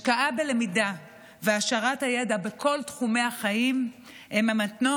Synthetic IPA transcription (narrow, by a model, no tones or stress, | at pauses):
kaʔabele̞mida | veaʃaʁathaje̞dabe̞kʰo̞ltχume̞aχaim | emamatno